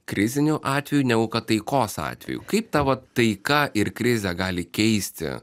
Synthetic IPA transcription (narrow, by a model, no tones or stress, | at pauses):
kɾʲɪzʲɪnʲuʔɑːt̪ʲʋʲɛjuːnʲɛɡʊkɐt̪ɐɪkoːsɑ̰ːt̪ʲʋʲɛ̰jṵkɐɪp̚t̪ɐʋɐt̪ɐɪkɐʔɪɾkɾʲɪzʲɛɡɑːlʲɪkʲɛɪsʲt̪ʲɪ̰